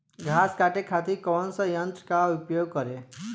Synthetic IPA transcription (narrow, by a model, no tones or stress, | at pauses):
ɡʱaːskaʈekʰat̪iɾkɔːnsəjənt̪ɾkaupjoːɡ̚kəɾe